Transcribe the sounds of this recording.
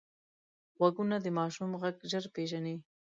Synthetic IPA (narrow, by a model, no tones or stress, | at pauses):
ɣaɡunad̪əmɑʃumɣaɡʒəɾpeʒani